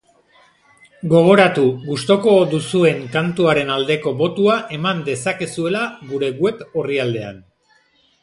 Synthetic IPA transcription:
ɡo̞ɣ̞o̞ɾat̪uɣust̪o̞ko̞d̪usue̞ŋkant̪uaɾe̞nald̪e̞ko̞bo̞t̪uaʔe̞mand̪e̞sake̞sue̞laɡuɾe̞ɡwe̞po̞riald̪e̞a̰n

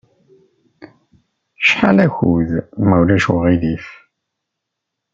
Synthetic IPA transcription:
ʃħalæçuðmæwlæʃwʁiðif

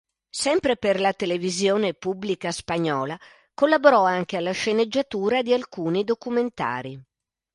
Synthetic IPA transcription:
sɛmpɾeperlat̪elevizjoːnepubːlikaspaɲːɔːla | kolːaboɾɔaŋk̟ealːaʃened͡ʒːat̪uːɾad̪ialkuːnid̪okument̪a̰ːɾi

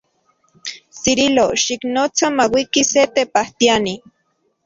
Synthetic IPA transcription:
siɾiloʃiknot͡samawikiset̪epaht̪iani

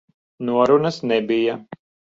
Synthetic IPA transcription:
nuɔɾunɐsnɛbija

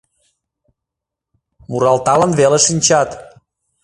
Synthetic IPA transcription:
muɾɑlt̪ɑlənβeleʃinʲt͡ɕɑt̪

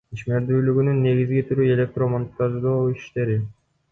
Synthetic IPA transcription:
iʃme̞ɾd̪yːlyɡynynːe̞ɡizɡit̪ʰyɾye̞lʲe̞k̚t̪ro̞mont̪ːɑʒd̪oːiʃt̪e̞ɾi

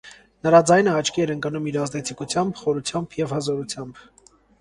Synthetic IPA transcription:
nəɾɑd͡zɑjnəɑt͡ʃʰkʰiɛɾəŋkənumiɾɑzd̪ɛt͡sʰikut͡sʰjɑmbχɔɾut͡sʰjɑmbjɛvhəzɔɾut͡sʰjɑmb

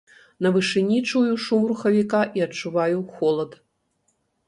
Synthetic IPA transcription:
nɐvɨʂɨnʲit͡ʂujuʂumruxɐvʲikaʔiɐt͡ʂːuvajuxɔlˠɐt̪

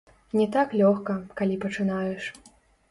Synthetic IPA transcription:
nʲɛt̪aklʲɔxkɐkalʲipɐt͡ʂɨnajɛʂ

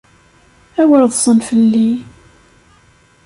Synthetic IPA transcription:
æwəɾðˤsˤənfəlːi

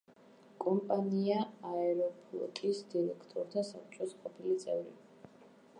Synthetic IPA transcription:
kʼɔmpʼaniaaɛɾɔpʰlˠɔ̰kʼisd̪iɾɛkʰt̪ʼɔɾt̪ʰasap̚t͡ʃʼɔsqʼɔpʰilit̪sʼɛvɾḭ

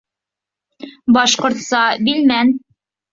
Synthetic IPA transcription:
bɑʃqŏɾt̪sɑbilmæn

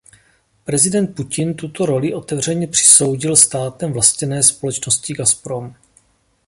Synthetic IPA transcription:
pɾɛzɪdɛnt̪̚pucɪnt̪ut̪o̞ɾo̞lɪʔo̞t̪ɛvr̝ɛɲɛpr̝̥ɪ̥so̞wɟɪlst̪aːt̪ɛmvlascɛnɛːspo̞lɛt͡ʃnoscɪɡaspɾo̞m

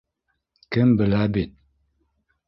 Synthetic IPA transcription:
kɘmbɘ̆læbit̪̚

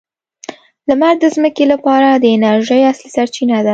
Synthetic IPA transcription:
lamaɾ̚d̪əzməkelapɑɾad̪əɪnaɾʒəjaslisaɾt͡ʃinad̪a

